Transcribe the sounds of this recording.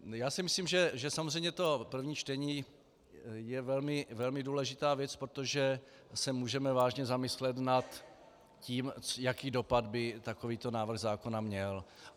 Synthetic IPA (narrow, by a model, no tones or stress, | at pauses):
jaːsɪmɪsliːmʒɛʒɛsamozrɛjmɲɛt̪o̞pr̩vɲiːt͡ʃt̪ɛɲiː | jɛvɛlmɪvɛlmɪduːlɛʒɪt̪aːvjɛt͡spɾot̪o̞ʒɛ | sɛmuːʒɛmɛvaːʒɲɛzamɪslɛt̪nat̪ | ciːmjakiːdo̞pad̪bɪt̪akoviːt̪o̞naːvr̩ɣzaːkonamɲɛl